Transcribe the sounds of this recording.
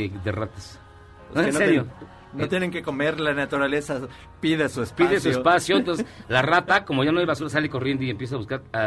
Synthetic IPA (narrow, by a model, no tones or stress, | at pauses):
eðerat̪as | noseeneɾjo | not̪jeneŋkeko̞meɾlanat̪uɾalesa | piðesuespiðesuespasjont̪onselarat̪ako̞mo̞ʝanoajβasuɾasaleko̞rje̞nd̪oiempje̞s̬aβuskaɾa